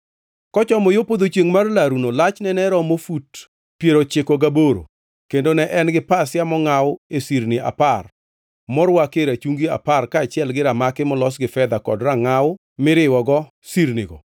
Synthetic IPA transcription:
kɔt͡ʃɔmɔjopod̪ot͡ʃjeŋmarlaɾunolat͡ʃnɛnɛɾɔmofut | pjeɾot͡ʃɪkoɡaboɾo̰ | kendonɛʔɛnɡɪpasjamɔŋawʊesiɾnɪa̰par | mɔɾwakeɾat͡ʃuŋɡia̰parkaːt͡ʃɪɛlɡɪɾamakɪmɔlɔsɡɪfɛd̪akɔ̰dɾaŋaʊ | mɪɾɪwɔɡɔ | siɾnɪɡɔ̰

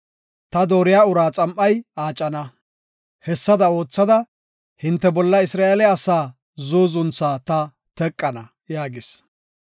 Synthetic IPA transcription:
t̪ɐd̪oːɾɪjaːʊɾaːt͡sʼɐmʔɐjaːt͡ʃʼːɐnɐ | hɛsːɐd̪ɐo̞ːt͡sːɐd̪ɐ | hɪnt̪ːɛbɔlːɐɪsɾaːelɛɐsaː | zoːzʊnt͡sːaːt̪ɐ | t̪ɛkʼːɐnɐ | jaːɡɪs

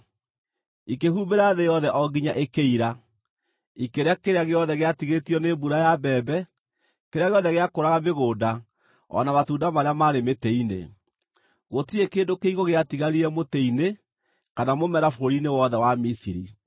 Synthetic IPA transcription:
ikehumeɾaðejɔðɛʔɔɡiɲaʔekeiɾa | ikeɾeakeɾeaɣeɔðɛɣeatiɣetiɔnebuɾajabɛːbɛ | keɾeaɣeɔðɛɣeakoɾaɣameɣoːda | ɔ̰namatuːndamaɾeamaːɾemetɛinḛ | ɣotiekeːndokeiɣoɣeatiɣaɾiɾɛmotɛine | kanamomɛɾafoɾoɾinewɔðɛwamisiɾḭ

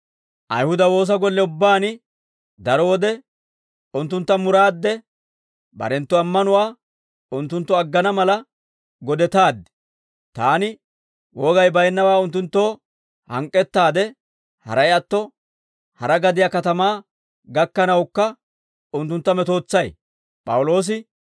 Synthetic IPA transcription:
ʔɐ̰jhʊd̪ɐwo̞ːs̬ɐɡɔlːɛʊbːaːnɪ | d̪ɐɾɔwɔd̪ɛ | ʊnt̪ːʊnt̪ːɐmʊɾaːd̪ːɛ | bɐ̰ɾɛnt̪ːɔɐmːɐnʊwaː | ʊnt̪ːʊnt̪ːɔɐɡːɐnɐmɐlɐ | ɡɔd̪ɛt̪aːd̪ːɛ̥ | t̪aːnɪ | wɔɡɐjbɐjnːɐwaːʊnt̪̬ːʊnt̪ːo̞ː | hɐ̰ŋkʼːɛt̪ːaːd̪ɛ | hɐ̰ɾɐjɐt̪ːɔ | hɐɾɐɡɐd̪ɪjaːkɐt̪ɐmaː | ɡɐkːɐnɐwkːɐ | ʊnt̪ːʊnt̪ːɐmɛt̪o̞ːt͡sːɐj | pʼɐ̰wʊlo̞ːs̬ɪ

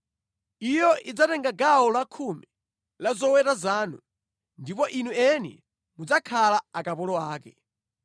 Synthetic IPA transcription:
ijɔʔid͡zatɛŋɡaɡaɔlakʰumi | lazɔwɛtazaːnu | ndipɔʔinuɛnɛ̰ | mud͡zakʰalaakapɔlɔaːkɛ

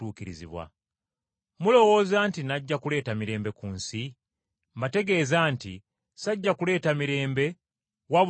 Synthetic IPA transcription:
uːkiɾḭzḭβwa̰ | mulo̞wo̞ːzaːntinaɟːakule̞ːtamiɾe̞ːmbe̞kuːnsi | mbate̞ɡe̞ːzaːnti | saɟːakule̞ːtamiɾe̞ːmbe̞ | waβ

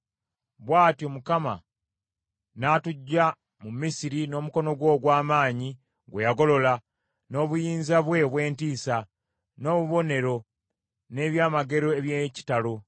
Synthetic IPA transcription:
βwaːtjomukama̰ | naːtuɟːa | mumisiɾino̞ːmuko̞no̞ɡwo̞ːɡwaːmaːɲi | ɡwejaɡo̞lo̞la | no̞ːβujiːnzaβwe̞βwe̞ːntiːsa | no̞ːβuβo̞ne̞ɾo̞ | ne̞ːβjaːmaɡe̞ɾo̞eβjeci̥talo

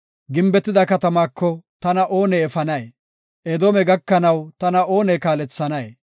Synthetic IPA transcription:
ɡɪmbɛt̪ːɪd̪ɐkɐt̪ɐmaːkːɔt̪ɐnɐʔoːnɛːfɐnɐj | ʔɛd̪oːmɛɡɐkːɐnɐwt̪ɐnɐʔo̞ːnɛkaːlɛt͡sːɐnɐje

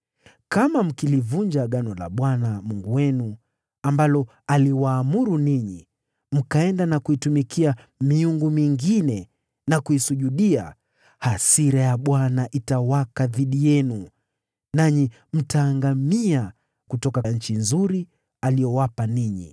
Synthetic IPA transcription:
kamam̩kilivuɲd͡ʒaɠanɔla̰ɓwanamuŋɡuwɛnu | ambalɔ | aliwaːmuɾuniɲi | m̩kaɛndanakuitumikʰia | miuŋɡumiŋɡinɛ | nakuisuʄuɗia̰ | hasiɾajaɓwanaʔitawakaðiɗijɛnu | naɲi | m̩taːŋɡamia | kutɔkaɲ̩t͡ʃinzuɾi | alijɔwapaniɲḭ

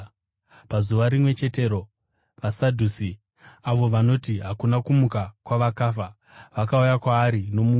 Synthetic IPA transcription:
pazuʋaɾimwe̞t͡ʃe̞te̞ɾo̞ | ʋasadʱusi | aʋo̞ʋano̞tiɦakunakumukakwaʋakaːfa | ʋakaujakwaːɾino̞mu

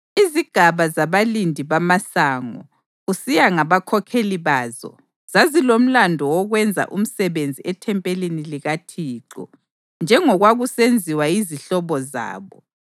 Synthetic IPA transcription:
iziɡ̥ʱaβazaβalindʱiβamasaːŋɔ̰ | ɣusijaŋaβakʰɔkʰeliβaːzɔ̰ | z̥azilom̩landʱɔwɔɣwɛnd͡zʱa̰ʔum̩sɛβend͡zʱiʔɛtʰɛmpʼeliniliɣatʰiːǀɔ̰ | nd͡ʒʱɛŋɔɣwaɣusend͡zʱiwaiziɬɔβɔza̰ːβɔ

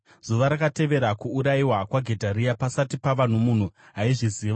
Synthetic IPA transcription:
z̥uʋaɾakate̞ʋe̞ɾakuːɾaiwakwaɡʱe̞dʱaɾiapasatipaʋan̤umun̤u | ɦaiʐiziːʋa

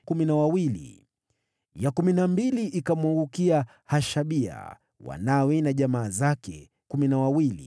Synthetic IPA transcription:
kuminawawilḭ | jakuminambiliʔikamwaŋɡukia | haʃaɓia̰ | wa̰nawɛnaʄamaːzakɛ | kuminawawilḭ

